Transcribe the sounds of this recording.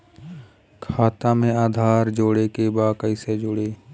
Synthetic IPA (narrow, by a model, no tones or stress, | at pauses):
kʰaːt̪amẽaːd̪ʱaːɾd͡ʒoːɽekebaːkəised͡ʒoːɽeː